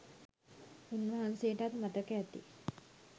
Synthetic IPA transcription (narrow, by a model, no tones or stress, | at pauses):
unʋɐɦansejəʈat̪mat̪əkæt̪i